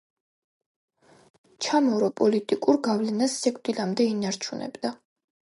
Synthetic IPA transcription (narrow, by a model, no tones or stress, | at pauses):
t͡ʃʰamɔɾɔpʼɔlit̪ʼikʼuɾɡavlɛnasːikʼd̪ilamd̪ɛinaɾt͡ʃʰunʔɛ̰bd̪a